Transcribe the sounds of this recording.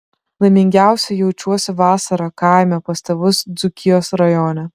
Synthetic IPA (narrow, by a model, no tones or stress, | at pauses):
lˠɐɪmʲɪŋʲɡʲæˑʊsʲɛjɛʊt͡ʃʲuɔsʲɪʋɑːsɐɾɐkɑˑɪmʲɛpɐst̪ʲɐʋʊsd̪zʊkʲɪjoːsɾɐjɔːnʲɛ